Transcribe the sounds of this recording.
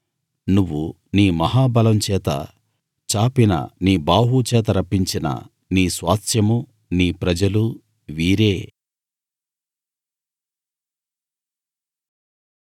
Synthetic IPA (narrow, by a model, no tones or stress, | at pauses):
nuʋːu | niːmɐɦaːbɐlɐmt͡ʃɛːt̪ɐ̰ | t͡ʃaːpinɐ̰niːbaːɦut͡ʃɛːt̪̬ɐɾɐpːiɲt͡ʃinɐ̰ | niːsʋaːt̪ʰjɐmu | niːpɾɐd͡ʒɐlu | ʋiːɾeː